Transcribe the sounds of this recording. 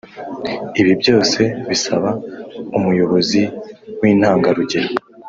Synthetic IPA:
iβibjo̞ːse̞βisaβaumujo̞βo̞ziwiːn̥haːŋɡaɾuɟe̞ɾa

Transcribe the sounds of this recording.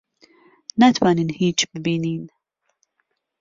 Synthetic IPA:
nat̪ʰwaːninhiːt͡ʃbɪbiːniːn

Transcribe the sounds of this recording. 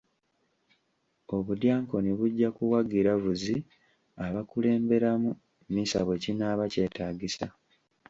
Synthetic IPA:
o̞βudjaːŋko̞niβuɟːakuwaɡiɾavuzi | aβakule̞ːmbe̞ɾamu | misa̰βwe̞cinaːβace̞ːtaːɡisa

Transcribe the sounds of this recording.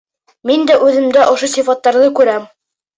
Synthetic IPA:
mind̪æʔʉðɘ̆md̪æʔŏʃosifɑt̪ːɑɾðɤkʉɾæm

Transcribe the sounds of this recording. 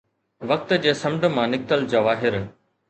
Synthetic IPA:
ʋɐk̚t̪d͡ʑeːsɐ̃mɖə̆mãːnɪk̚t̪əld͡ʑɐʋaːɦɪɾ

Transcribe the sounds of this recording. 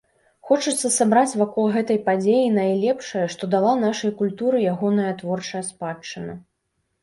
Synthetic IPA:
xɔt͡ʂɨt̪sːɐsabɾat͡sʲvakɔlˠɣɛt̪ɐjpad͡zʲejinɐjlʲɛpʂɐjɐʂt̪ɔd̪alˠanaʂɐjkulʲt̪uɾɨjaɣɔnɐjɐt̪vɔrt͡ʂɐjɐspat͡ʂːɨnɐ

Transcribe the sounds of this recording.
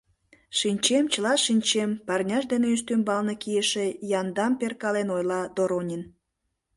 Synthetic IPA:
ʃinʲt͡ɕemt͡ɕəlɑʃinʲt͡ɕempɑrnʲɑʃd̪eneyʃ̬t̪ymbɑlnekijəʃejɑnd̪ɑmperkɑlenojlɑd̪oɾonʲin

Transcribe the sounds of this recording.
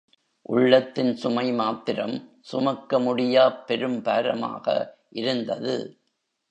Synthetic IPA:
ʔʊɭːɐt̪ːɪnsʊmɐɪmaːt̪ɪɾɐm | sʊmɐkːɐmʊɽɪjaːpːɛɾɯmpaːɾɐma̰ːɣɐ̰ʔɪɾɯnd̪ɐðɯ̰

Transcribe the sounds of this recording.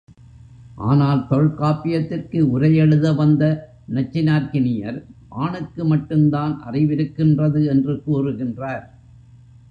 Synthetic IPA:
ʔa̰ːnaːlt̪ɔɻkaːpɪjɐt̪ːɪrkɯʊɾɐjɛɻɯðɐʋɐnd̪ɐ | nɐt͡ʃːɪnaːɾkɪnɪjɐɾʋaːɳɯkːɯmɐʈːɯmd̪aːnʔɐ̰rɪʋɪɾɯkːɪndrɐðɯɛndrɯkuːrɯɣɪndraːɾ

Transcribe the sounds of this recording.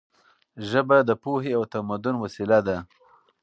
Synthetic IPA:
ʒəbad̪əpoheawt̪amad̪ʊnwasilad̪a

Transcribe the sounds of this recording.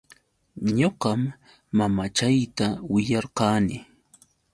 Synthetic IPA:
ɲoqɑmː | amat͡ʃajt̪awɪjɑɾqɑːnɪ

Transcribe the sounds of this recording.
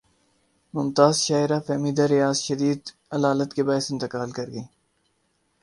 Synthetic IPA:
mʊmt̪aːzʃaːɪɾafɛːmiːd̪aɾɪjaːzʃɐd̪iːd̪ | ɐlaːlət̪kebaːsɪ̃nt̪ɪkaːlkɐɾɡɐiː

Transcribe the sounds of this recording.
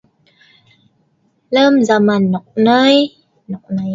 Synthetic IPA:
ləmzamanːɔk̚nəj | nɔk̚nəj

